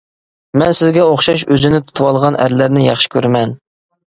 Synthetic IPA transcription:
mɛnsɪzɡʲɛoχʃɑʃøzɪnɪt̪ʰu̥t̪ʰuwɑlˠʁɑnʔæ̰ɾlæɾnɪjɑχʃi̥kʲʰøɾmɛn

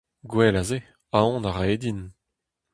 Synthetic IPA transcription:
ɡwɛlaze | aɔ̃naʁaeːdin

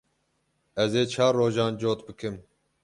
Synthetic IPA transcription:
ɛzeːt͡ʃʰɑːɾːoːʒɑːnd͡ʒoːt̪bɨkʰɨm

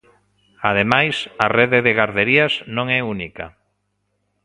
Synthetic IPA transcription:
aðemajsareðeðeɣaɾðeɾiaznõŋɛunika̰

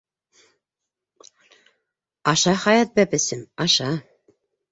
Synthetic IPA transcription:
ɑʃɑχɑjɑt̪̚bæpɘ̆sɘmɑʃɑ

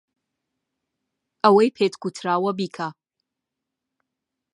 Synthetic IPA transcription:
awajpʰetʰkʰʷutʰraːwabikʰa

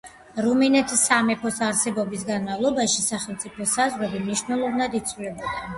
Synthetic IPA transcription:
ɾuminɛt̪ʰisamɛpʰɔsaɾsɛbɔbis̬ɡanmavlˠɔbaʃisaχɛlˠt̪sʼipʰɔsazʁɾɛbimniʃvnɛlˠɔvnad̪it̪sʰʼvulɛbad̪ɛn

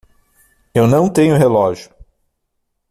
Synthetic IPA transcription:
ewnɐ̃w̃t̪ẽɲʊɦelɔʒjʊ

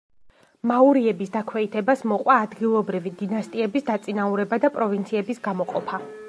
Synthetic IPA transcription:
mauɾiɛbisd̪akʰwɛit̪ʰɛbasmɔqʼwaːd̪ɡilˠɔbɾivid̪inast̪ʼiɛbisd̪at̪sʼinauɾɛbad̪apʼɾɔvint̪sʰiɛbisɡamɔqʼɔpʰa

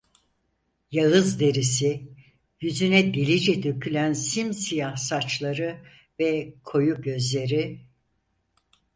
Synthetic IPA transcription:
jaɯzd̪e̞ɾisi | jyzynɛd̪e̞lʲid͡ʒɛd̪ø̞cʰylʲænsimsijahsat͡ʃlˠaɾɯ | vɛkʰo̞juɟø̞zlʲe̞ɾi

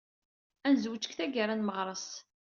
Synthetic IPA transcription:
ænzwət͡ʃːə̥kθæɡaɾˤanməʁɾˤəs

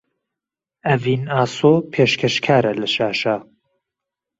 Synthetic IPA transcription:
ɐviːnaːsopʰeːʃkʰɛʃkʰaːɾɐlɐʃaːʃaː

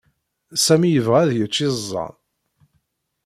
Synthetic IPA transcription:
sæmijəvʁæðjət͡ʃːizˤːɑ̰n

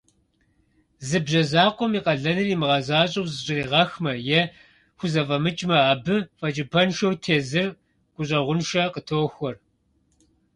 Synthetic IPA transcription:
zɨbʑɐzaːqʷɔmiːqɐɮɐnɨnimɨʁɐzaːɕʼɐwzɨɕʼɪriːʁɐxmɐjɛ | xʷʊzɐfʼɐmɨt͡ʃʼmɐaːbɨfʼɐt͡ʃʼɪpʰɐnʃowtʰeːzɨr | ɡ̥ʷʼʊɕ̬ʼɐʁʷʊnʃɐqətʰoːxʷɔr

